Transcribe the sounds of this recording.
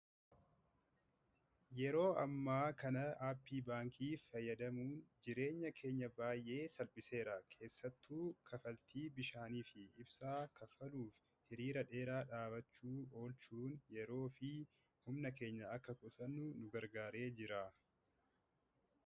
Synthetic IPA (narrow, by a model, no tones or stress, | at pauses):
jɛɾo̞ːɐ̰mːaːkɐnɐaːpːiːbaːŋkiːfɐjːɐd̪ɐmuːnd͡ʒɪɾe̞ːɲːɐkʰe̞ːɲːɐbaːjʔe̞ːsɐlpʼɪse̞ːɾaːkʰe̞ːsːɐt̪ːuːkʰɐfɐlt̪ʰiːbɪʃaːniːfɪɪbsaːkɐfɐluːf | hɪɾiːɾɐᶑe̞ːɾaːᶑaːbɐt͡ʃːuːo̞ːlt͡ʃuːnjɛɾo̞ːfɪ | hʊmnɐke̞ːɲːɐɐkːɐkʼʊt̪ɐnːʊnʊɡɐɾɡaːɾe̞ːd͡ʒɪɾaː